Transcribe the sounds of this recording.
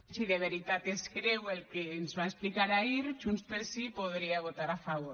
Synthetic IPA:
siðeβ̞eɾit̪at̪eskɾewelkeːnzβaesplikaɾaiɾʒunspeɾsipoð̞ɾiaβ̞ot̪aɾafaβ̞oɾ

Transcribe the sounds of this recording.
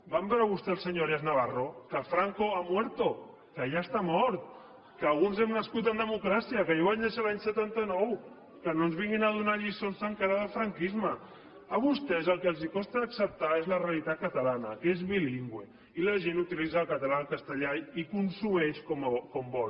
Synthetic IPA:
bambɛɾəβust̪ɛlˠsəɲoɾaznaβ̞arokəfɾaŋkoamwɛɾt̪o | kəjast̪amɔɾt̪̚ | kəːlˠɣunzɛmnəskut̪ənd̪əmukɾasiəkəjoβanneʃalaɲsət̪ant̪ənɔw | kənonzβiŋɡinað̞unaʎisonsəŋkaɾaðəlˠfɾaŋkizmə | əβ̞ust̪ɛzəlˠkəlˠzikɔst̪aːksəp̚t̪aezlərealit̪at̪̚kət̪əlanəkezβiliŋɡwe | iləʒenut̪ilizaːlˠkət̪əlaəlkəst̪əʎaikunsumɛʃkomkɔmbɔl

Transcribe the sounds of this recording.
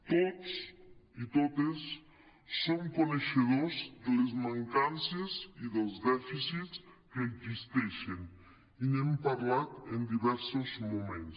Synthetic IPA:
t̪ot̪sit̪ot̪esː | omkoneʃeðozd̪elezmaŋkanseziðəlˠzd̪ɛfisitskeːɡzist̪ɛʃen | inɛmpaɾlat̪end̪iβɛɾsozmumẽns

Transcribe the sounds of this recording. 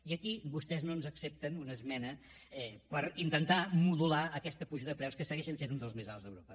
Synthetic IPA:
iəkibust̪ɛznonzəksep̚t̪ənunəzmɛnə | ɛpəɾint̪ənt̪amuðulaəkɛst̪əpuʒəðəpɾɛwskəsəɣɛʃənsenund̪əlˠzmezalˠzðə̰wɾopə

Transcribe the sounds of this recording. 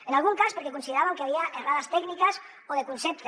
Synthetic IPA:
enalˠɣuŋkaspeɾkekunsiðeɾaβaŋkeaβiaʔeraðast̪ɛknikas | oðekunsept̪

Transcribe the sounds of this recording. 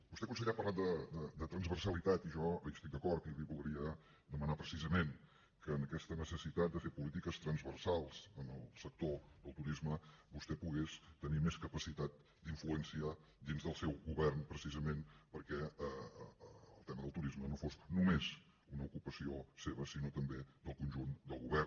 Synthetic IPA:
bust̪ɛkunsəɣʎiapərlat̪̚d̪əd̪əd̪ət̪ɾənzβərsəlit̪at̪iʒɔəjəst̪ik̚d̪əkɔɾt̪kiβiβulˠd̪ɾiə | d̪əmənapɾəsizəmen | kəːnəkɛst̪ənəsəsit̪at̪̚d̪əfepulit̪ikəst̪ɾənzβəɾsalˠzənəlˠsək̚t̪oðəlˠt̪uɾizməbust̪ɛpuɣest̪ənimeskəpəsit̪at̪̚ | d̪iɱfluɛnsiəd̪inzðəlˠsɛwɣuβɛrnpɾəsizəmenpəɾkɛə | əlˠt̪ɛməðəlˠt̪uɾizmənofosnumez | unəukupəsioseβəsinot̪əmbed̪əlˠkunʒund̪əlˠɣuβɛr

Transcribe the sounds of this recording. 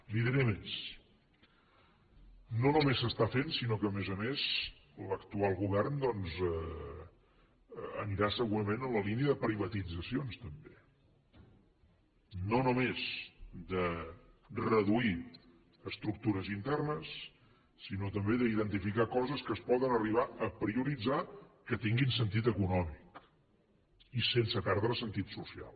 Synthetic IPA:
liðeɾəmes | nonumesːəst̪afensinokəːmezəmez | ləkt̪ualˠɣuβɛrnd̪ɔnzɛ | əniɾasəɣuɾəmenələliniəðəpɾiβət̪id͡zəsionst̪əmbe | nonumezd̪ə | rəðui | əst̪ɾuk̚t̪uɾəzint̪ɛrnəsː | inot̪əmbeðəiðənt̪ifikakɔzəskəspɔðənəriβ̞aəpɾiuɾid͡zakət̪iŋɡinsənt̪it̪əkunɔmik | isensəpɛɾðɾəsənt̪it̪susia̰lˠ

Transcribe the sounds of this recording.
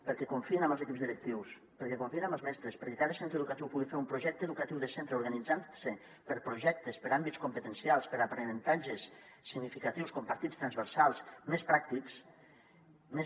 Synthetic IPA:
pəɾkɛkuɱfienambəlˠzekipzðəlek̚t̪iws | pəɾkɛkuɱfienaməlˠzmɛst̪ɾespəɾkekaðəsẽnt̪ɾeðukat̪iwpuɣifeɾumpɾoʒɛk̚t̪eðukat̪iwðesent̪ɾeuɾɣanid͡zanse | pəɾpɾoʒɛk̚t̪espəɾambit̪skumpət̪ensijalˠspəɾapɾenent̪aʒesː | iɡnifikat̪iwskompaɾt̪itst̪ɾanzβəɾsalˠsmespɾak̚t̪iks | me

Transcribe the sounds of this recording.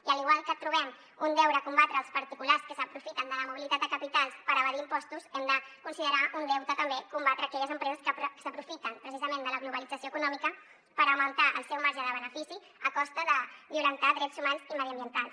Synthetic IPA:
iəliɣwalˠkət̪ɾuβɛm | und̪ɛwɾəkumbat̪ɾəːlˠspəɾt̪ikularskəsəpɾufit̪ənd̪ələmuβilit̪at̪̚d̪əkəpit̪alˠspəɾəβəɾiːmpɔst̪usɛmd̪əkunsiðəɾaʔund̪ɛwt̪ət̪əmbekumbat̪ɾəːkɛʎəzəmpɾɛzəskəpsəpɾufit̪ənpɾəsizəmẽnd̪ələɣluβəlid͡zəsijoəkunɔmikə | pəɾəwmənt̪aʔə̰lˠsɛwmaɾʒəðəβ̞ənəfisi | əkɔst̪əðəβjulənt̪aðɾɛzumanziməðiəmbjənt̪alˠs

